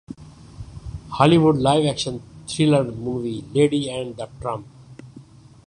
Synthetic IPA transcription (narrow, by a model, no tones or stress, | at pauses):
hɑːliʋʊɖlaɪʋækʃə̃nt̪ʰɾɪləɾmuːʋileːɖiɛ̃ɳɖd̪əʈɾʌ̃mp